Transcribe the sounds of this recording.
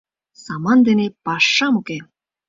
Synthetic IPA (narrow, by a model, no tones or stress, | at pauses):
sɑmɑnd̪enepɑʂːɑmuke